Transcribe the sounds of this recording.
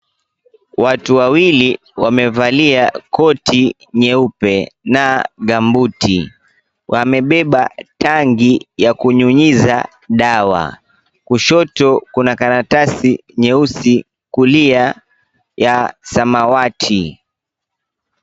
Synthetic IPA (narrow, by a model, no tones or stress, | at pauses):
watuwawili | wamɛvaliakɔtʰi | ɲɛupɛnaɠambutʰḭ | wʔamɛɓɛɓataŋɡijakuɲuɲiza̰ | ɗawa̰ | kuʃɔtɔkunakanatasiɲɛusi | kulia | jasamawatʰi